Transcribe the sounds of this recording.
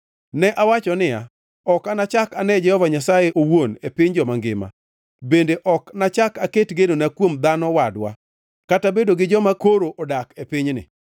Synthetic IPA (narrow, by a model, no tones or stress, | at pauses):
nɛʔawat͡ʃɔnɪja̰ | ɔkanat͡ʃakanɛd͡ʒɛhɔvaɲasajeʔowonepɪɲd͡ʒɔmaŋɡɪ̰ma̰ | bendeʔɔknat͡ʃakaketɡenonakwomd̪anɔwadwa̰ | katabedoɡɪd͡ʒɔmakoɾoʔɔdakepɪɲnɪ̰